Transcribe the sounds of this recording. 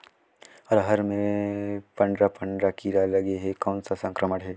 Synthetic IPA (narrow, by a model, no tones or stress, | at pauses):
ɔːɾɦɐɾmẽpɐ̃ɳɖɾapɐ̃ɳɖɾakiɾalɐɡeɦekɔːnsasɐ̃ŋkɾəməʈɦɛː